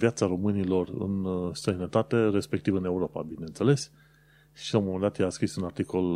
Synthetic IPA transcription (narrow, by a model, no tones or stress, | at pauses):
vijat̪saɾo̞mɨnilo̞rɨ̰nst̪ɾəjnət̪at̪e̞ɾe̞spe̞k̚t̪ivɨne̞uɾo̞pa̰bine̞nse̞le̞s | ʃilaumomənd̪at̪jeaskɾisunart̪iko̞l